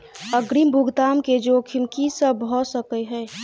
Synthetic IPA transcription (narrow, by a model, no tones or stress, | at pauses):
əɡɾimbʱuɡt̪amked͡ʒokʰimkisəbʱɔsəkəɦɛː